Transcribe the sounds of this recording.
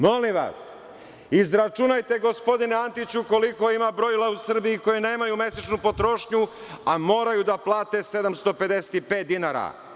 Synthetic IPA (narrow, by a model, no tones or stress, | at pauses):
mo̞limʋa̰s | izɾat͡ʃunajt̪e̞ɡo̞spo̞d̪ineant̪it͡ɕuko̞liko̞imabɾo̞ilˠausr̩biiko̞jene̞ːmajume̞set͡ʃnupo̞t̪ɾo̞ʃɲu | amo̞ːɾajud̪aplˠaːt̪e̞se̞d̪amst̪o̞pe̞d̪ese̥t̪ipe̞ːt̪̚d̪inaɾa̰